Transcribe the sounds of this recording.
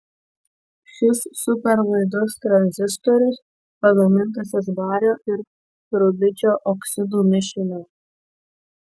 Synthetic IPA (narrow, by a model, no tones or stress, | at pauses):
ʃʲɪsːʊpʲɛɾʋɐɪd̪ɔst̪ɾɐnʲzʲɪst̪ɔɾʲʊs | pɐɡ̪ɐmʲɪnˑt̪ɐsʲɛsbɑːɾʲoːʔɪɾ | ɾʊbʲɪt͡ʃʲoːʔɔksʲɪd̪uːmʲɪʃʲɪnʲo